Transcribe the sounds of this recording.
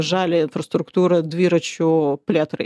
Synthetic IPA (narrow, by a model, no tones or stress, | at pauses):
ʐalʲɪɪnfrɐst̪ɾʊkt̪uɾɐd̪vʲiɾɐt͡ɕʊplʲet̪ɾɨ̰